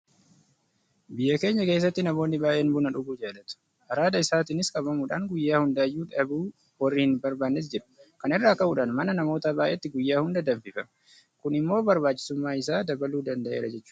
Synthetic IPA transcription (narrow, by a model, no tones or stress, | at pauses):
bɪjːɐke̞ːɲːɐke̞ːs̬ːɐt̪ːɪnɐmo̞ːnːɪbaːʔeːnbʊnɐᶑʊɡuːd͡ʒaːlɐt̪ʊ̥ | ʔɐɾaːd̪ɐɪsaːt̪ɪnɪskʼɐbɐmuːᶑaŋɡʊjːaːhʊnd̪ɐɐjːuːᶑɐbuː | wɐrːiːhɪnbɐɾbaːnːes̬d͡ʒɪɾɐ̥kɐnɪrːaːkɐʔuːᶑaːnmɐnɐnɐmo̞ːt̪abaːʔeːt̪ːɪɡʊjːaːhʊnd̪ɐd̪ɐmfɪfɐm | kʊnɪmːo̞ːbɐɾbaːt͡ʃːɪ̥sʊmːaːɪs̬aːd̪ɐbɐluːd̪ɐnd̪ɐʔeːɾɐd͡ʒɛt͡ʃːuː